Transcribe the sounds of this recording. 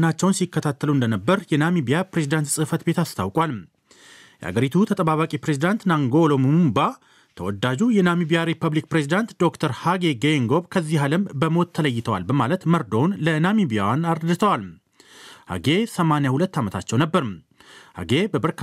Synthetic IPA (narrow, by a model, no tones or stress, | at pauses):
nat͡ʃːɛwnsikːət̪ʰat̪ːəluɨnd̪ənəbːəɾjɛnamibijapɾe̞zid̪ant̪sʼɨfət̪be̞t̪ast̪ʰawkʼwalm | jɛ̰ha̰ɡəɾit̪ʰut̪ʰət̪ʼəβaβakʼipɾezid̪ant̪naŋɡolomumumba | t̪ʰəwɔd̪ːad͡ʒujɛnamibijaɾepʰːəβlikpɾe̞zid̪ant̪d̪o̞kt̪ʰəɾhaɡe̞ɡeŋɡo̞bkʰəzːiɦaləmbəmo̞t̪ʰːələjːɪt̪ʰəwa̰lbəmalət̪məɾd̪o̞nlənamibija̰wnaɾəd̪ɨt̪ʰəwalm | ha̰ɡe̞səmanjahulət̪ːamət̪ʰat͡ʃːɛwnəbːəɾɨm | ha̰ɡe̞bəbəɾk